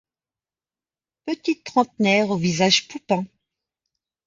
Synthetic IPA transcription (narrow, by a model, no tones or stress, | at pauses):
pət̪it̪ːχɑ̃t̪nɛʁovizaʒpupɛ̃